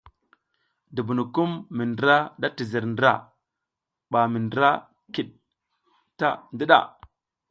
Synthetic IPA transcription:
du˨bu˨nu˨ku˦mːi˨ndɾa˦da˦ti˨zi˨ɾndɾa̰˦ | ɓa˨mi˨ndɾa˦ | ki˨ɗ̚ | ta˦ndi˦ɗa̰˦˨

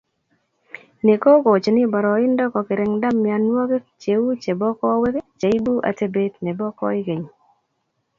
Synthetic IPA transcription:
ne˨ko˦ɡo˨t͡ʃe˨nɪ˦bɔ˨ɾɔ˨ɪ˦ndɔ˦kɔ˨kɪ˨ɾɛ˨ŋda˦mːɪ˨a˨nwɔ˦ɡe˦t͡ʃe˨u˦t͡ʃe˨bɔ˦kɔ˦we˦ke˦t͡ʃe˨i˦bu˦ʔa̰˨te˦be˦tnɛ˨bɔ˦kɔ̰˦ɪ˦ɡe˨ɲ˨

